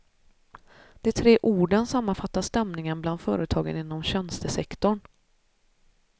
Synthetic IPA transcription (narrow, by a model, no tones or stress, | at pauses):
d̪̥ɛt̪ʰɾeːʔuːɖənsamːanfat̪ːast̪ɛmnɪŋənbland̪fœ̰ːɾət̪ʰɑːɡə̰nɪnːɔmɕɛnst̪əsɛkt̪ɔɳ